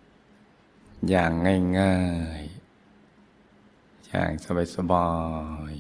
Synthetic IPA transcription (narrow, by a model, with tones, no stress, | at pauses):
jaː˨˩ŋːaː˥˩jŋaː˧˩j | ja̰ː˨˩ŋsa˧ba˨˧˩sa˧bɔː˧˩j